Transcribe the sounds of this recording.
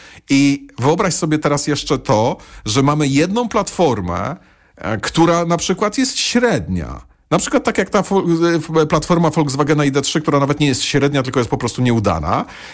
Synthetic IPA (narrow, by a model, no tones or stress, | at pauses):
ivɘɔbɾaɕsɔbʲjɛt̪ɛɾasjɛʂt͡ʂɛt̪ɔʐɛmamɘjɛd̪nɔ̃w̃plat̪fɔɾmɛ̰ | kt̪uɾanapʂɘkwat̪jɛst̪ɕɾɛd̪ɲa̰ | napʂɘkwat̪ːakjak̚t̪afɔplat̪fɔɾmafɔlɡzvaɡɛnaid̪ɛtʂɘkt̪uɾanavɛt̪ɲɛjɛst̪ɕɾɛd̪ɲat̪ɘlkɔjɛst̪̚pɔpɾɔst̪uɲɛud̪a̰na̰